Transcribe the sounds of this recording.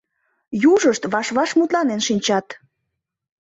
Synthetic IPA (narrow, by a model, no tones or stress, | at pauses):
juʒəʃt̪βɑʃβɑʃmut̪lɑnenʃinʲt͡ɕɑt̪